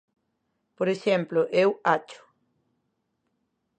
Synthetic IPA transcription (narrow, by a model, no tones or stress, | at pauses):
poɾeʃemplʊʔewat͡ʃʊ̥